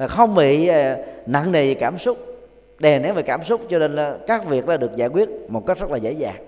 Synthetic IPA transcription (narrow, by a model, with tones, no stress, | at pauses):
vaː˨˩xə˧wŋ͡mɓḭ˧˨˩na̰˧˨ŋni˨˩kaː˧˩msʊ˦˥k͡p̚ | ɗe˨˩nɛ˨˦ve˨˩kaː˧˩msʊ˦˥k͡p̚t͡ɕɔ˧ne˧nː˨˧kaː˦˥k̚vi˨˩ək̚ɗaː˨˦˥ɨ˨˩ək̚zaː˧˩jkwi˦˥ət̚mo˨˩t̚kk̚zə˦˥laː˨˩zḛ˧˥jza̰ː˨˩ŋ